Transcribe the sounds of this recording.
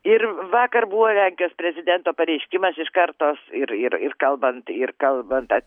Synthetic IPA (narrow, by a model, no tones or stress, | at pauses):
ɪrʋɑːkɐrbuʋoːlʲæŋʲkʲɪjoːspʲɾʲɛzʲɪd̪ʲɛnt̪oːpɐɾʲɛɪʃʲkʲɪmɐsɪʃkɐrt̪oːsɪɾɪrɪ̰rkɐlˠbɐnt̪ɪrkɐlˠbɐnt̪ɐt